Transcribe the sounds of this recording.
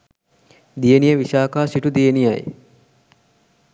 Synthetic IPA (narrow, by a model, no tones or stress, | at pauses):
d̪ijənijəʋiʃaːkaːsiʈud̪ijənijaj